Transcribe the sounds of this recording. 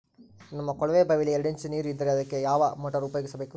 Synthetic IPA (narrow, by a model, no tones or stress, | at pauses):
nɐmːɐkɔɭɐʋeːbɐʋɪlɪjɐɽɯɲt͡ʃɯniːɾɪnd̪ɐɾɐɐðɯkːejaːʋaːmɐʈːɐɾupːajkːɯsɐbɐɪkːɯ